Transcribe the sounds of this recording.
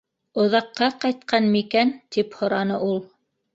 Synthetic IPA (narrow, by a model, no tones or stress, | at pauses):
ŏðɑqːɑqɑjt̪̚qɑnmikænt̪iphŏɾɑnɤʔulˠ